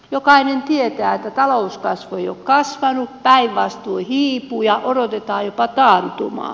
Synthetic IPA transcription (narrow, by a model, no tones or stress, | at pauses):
jokɑinent̪iet̪æːet̪ːæt̪ɑlouskɑsʋoeijokkɑsʋɑnuppæiʋʋɑst̪uihiːpujɑʔodot̪et̪ɑːjjopɑt̪ɑːnt̪ṵmɑ̰ː